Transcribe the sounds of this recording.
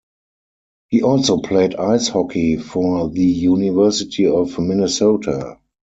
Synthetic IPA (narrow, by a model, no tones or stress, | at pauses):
hiːʔɔlsoʊpʰleɪdaɪshɔkʰifɔɹðəjunɪvɜ˞sɪtʰiɔfmɪnəsoʊtʰa